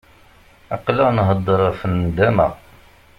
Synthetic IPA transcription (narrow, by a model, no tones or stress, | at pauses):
ɑqlænɦəd̪ˤːəɾˤəfənd̪æmæ̰